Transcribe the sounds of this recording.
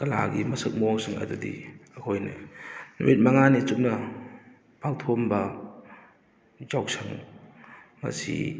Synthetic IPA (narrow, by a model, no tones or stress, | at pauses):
kɐla̰ɡimɐsɯk̚moŋsɯŋɐ̰dudḭɐkʰojnɯ̰nṵwit̚mɐŋanit͡ʃup̚nɐ | pawtʰombɐ | d͡ʒawk̚sʰaŋ | mɐ̰sḭ